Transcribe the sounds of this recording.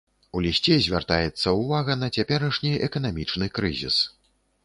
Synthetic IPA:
ulʲisʲt͡sʲɛzʲvʲart̪ajɛt̪sːɐwvaɣɐnɐt͡sʲapʲɛɾɐʂnʲiɛkɐn̪amʲit͡ʂnɨkɾɨ̰zʲḭs

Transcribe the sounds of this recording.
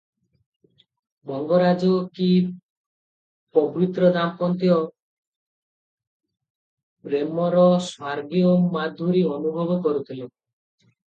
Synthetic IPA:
bɔŋɡɔɾad͡ʒɔki | pɔbɾit̪ɾɔd̪ampɔnt̪jɔ | ɾemɔɾɔswaɾɡiomad̪ʱːuɾiɔnubʱɔbɔkɔɾut̪ʰilo

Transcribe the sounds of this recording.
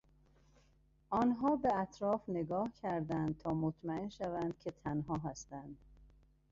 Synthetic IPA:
ʔɒːnɦɒːbeæt̪ʰɾɒːfne̞ɡɒːhcʰæɾd̪ænd̪̚t̪ʰɒːmot̪ʰmæenʃævænd̪̥̚cʰe̞t̪ʰænɦɒːɦæst̪ænd̪̥

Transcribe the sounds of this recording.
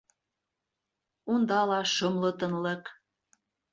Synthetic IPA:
und̪ɑlɑʃɤmlɤ̆t̪ɤ̆nlə̆k

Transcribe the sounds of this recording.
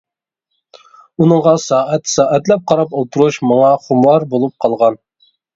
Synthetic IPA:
unɨŋʁɑsɑːʔɛt̪sɑːʔɛt̪lɛp̚qʰɑɾɑpolˠt̪ʰuɾuʃmɑŋɑχumwɑɾbolˠup̚qʰɑlˠʁɑn

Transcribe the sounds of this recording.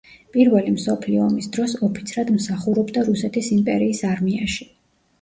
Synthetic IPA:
pʼiɾvɛlimsɔpʰliɔmisd̪ɾɔsɔpʰi̥t̪sʰɾad̪msaχuɾɔbd̪aɾusɛt̪ʰisimpʼɛ̰ɾiːsaɾmiaʃi

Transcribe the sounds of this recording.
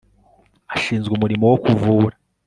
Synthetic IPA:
aʃiːnzɡumuɾimowokuvuːɾa

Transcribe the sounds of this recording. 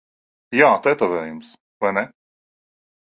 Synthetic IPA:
jaːt̪ɛt̪ɔvɛːjums | vajnɛ

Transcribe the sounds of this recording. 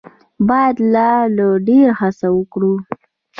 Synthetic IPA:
bɑjad̪lɑləɖeɾhasawəkɽu

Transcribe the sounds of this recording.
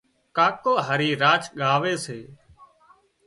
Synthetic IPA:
kaːkoːɦaːɾiːɾaːt͡ʃɠaːʋeːseː

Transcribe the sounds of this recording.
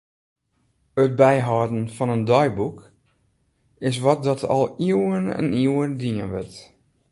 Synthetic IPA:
ət̚bɛjɦɔːdn̩fɔnəndɔjbuk | ɪs̬ʋɔt̚dɔtʰɔ̰lˠiwənɛ̰niwəndiənʋɪt

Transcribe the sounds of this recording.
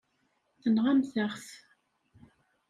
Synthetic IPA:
θənʁamθəʁθ

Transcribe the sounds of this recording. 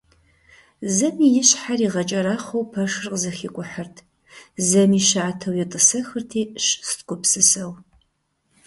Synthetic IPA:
zɐmiːjɪɕħariːʁɐt͡ʃʼɐɾaːχʷɐwpʰɐʂrqzɐxiːkʷʼʊħərtʰ | zɐmiːʃaʕatʰɐwjɪtʼɨsɐxɨrtʰiːɕstkʷʼʊpsɨsɐw

